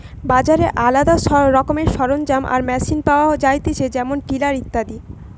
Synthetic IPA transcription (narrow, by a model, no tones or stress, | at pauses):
bad͡ʑaɾeʔalad̪aʃɾɔkomeɾʃɔɾond͡ʑamʔa̰ɾmɛsinpaoad͡ʑajt̪it͡ɕed͡ʑɛmonʈilaɾit̪ːad̪i